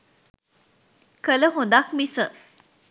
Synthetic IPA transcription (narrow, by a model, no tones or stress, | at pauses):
kələɦod̪akmisə